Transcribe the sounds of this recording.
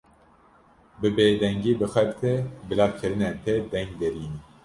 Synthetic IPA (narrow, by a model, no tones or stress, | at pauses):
bɨbeːd̪ɛŋɡiːbɨxɛɾt̪ʰebɨlɑːkʰɨɾɨnɛnt̪ʰed̪ɛ̃ŋɡd̪ɛɾiːni